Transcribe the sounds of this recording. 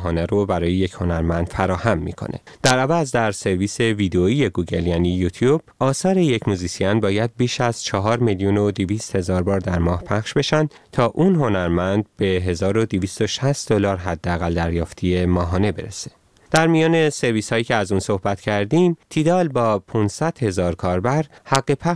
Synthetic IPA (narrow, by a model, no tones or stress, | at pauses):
ɦɒːneɾobæɾɒːje̞je̞cho̞næɾmænd̪̥fæɾɒːhæmːḭkʰo̞̰nʔḛd̪̥æɾævæzd̪æɾse̞ɾviːse̞viːd̪eoiːje̞ɡuːɟeljæːniːjut̪ʰjub̥̚ɒːsɒːɾejecmuzisiɒnbɒːjæd̪̚biːʃæz̥t͡ʃʰɒɦɒːɾmeljuno̞d̪eviːst̪he̞zɒːɾbɒːɾd̪æɾmɒːhpʰæχʃbe̞ʃænd̪̥ | t̪ʰɒːʔunɦo̞næɾmænd̪̚be̞ɦe̞zɒːɾo̞d̪iviːst̪o̞ʃæst̪d̪o̞lɒːɾɦæd̪ːeæɣæld̪æɾjɒːft̪ʰije̞mɒːɦɒːne̞be̞ɾese̥ | d̪̥æɾmijɒːne̞se̞ɾviːshɒːjiːcʰeæzuːnso̞hbæt̪ʰcʰæɾd̪iːmt̪ʰiːd̪ɒːlbɒːpʰunsæd̪̥he̞zɒːɾkʰɒːɾbæɾhæɡːepʰæ